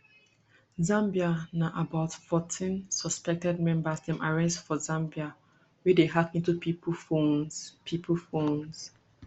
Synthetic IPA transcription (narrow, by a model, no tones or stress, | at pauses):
zãmbianaʔabaʊtfɔtʰĩnsɔspɛk̚tɛd̚mɛ̃mbasdɛ̃mʔaɹɛstfɔzãmbia | wɛdeɦakĩntupʰipʰfõnspʰipʰəlfõns